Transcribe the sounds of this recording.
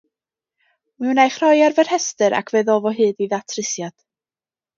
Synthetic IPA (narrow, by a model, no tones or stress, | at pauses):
mɛwnajχr̥ɔjarvɛr̥hɛstɨɾʔa̰kʰveðɔːvɔɦɨːðiðatʰrɨsjad̥